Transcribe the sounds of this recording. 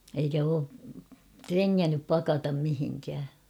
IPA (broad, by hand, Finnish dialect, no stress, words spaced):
eikæ oː treŋːænːyp pɑkɑtɑm mihiŋkæː